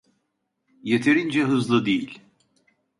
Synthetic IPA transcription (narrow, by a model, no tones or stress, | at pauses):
jet̪ʰeɾind͡ʒɛɦɯzlˠɯd̪ejilʲ